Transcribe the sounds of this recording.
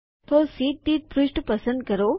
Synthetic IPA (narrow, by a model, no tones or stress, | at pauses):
t̪ʰosiːt̪̚ːiːt̪̚pɾuʃʈpɐsə̃nd̪̚kɐɾo